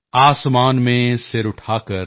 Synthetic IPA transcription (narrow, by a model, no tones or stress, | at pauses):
aːsmaːnmẽsɪɾʊʈʰaːkəɾ